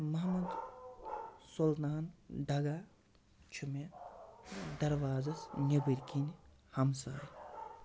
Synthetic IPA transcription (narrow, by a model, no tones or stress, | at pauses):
mɐɦmɐd̪ | solt̪aːnd̪ɐɡaː | t͡ʃʰume | d̪ɐɾʋaːzɐsnʲɐbiɾkin | hɐmsaːj